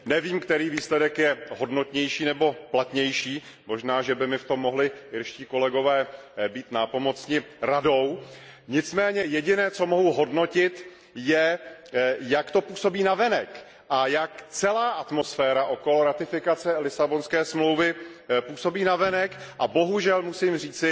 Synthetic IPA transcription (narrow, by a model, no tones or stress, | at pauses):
nɛviːmkt̪ɛɾiːviːslɛdɛkjɛɦo̞dno̞t̪ɲɛjʃiːnɛbo̞plat̪ɲɛjʃiː | mo̞ʒnaːʒɛbɪmɪft̪o̞mːo̞ɦlɪɪɾʃciːko̞lɛɡo̞vɛːbiːt̪napo̞mo̞t͡sɲɪɾado̞wɲɪt͡smɛːɲɛjɛɟɪnɛːt͡so̞moɦuɦo̞dno̞cɪt̪ | jɛ | jakt̪o̞puːso̞biːnavɛnɛk | ʔajakt͡sɛlaːʔat̪mo̞sfɛːɾaʔo̞ko̞lo̞ɾat̪ɪfɪkat͡sɛlɪsabo̞nskɛːsmlowvɪpuːso̞biːnavɛnɛkʔabo̞ɦuʒɛlmusiːmriːt͡sɪ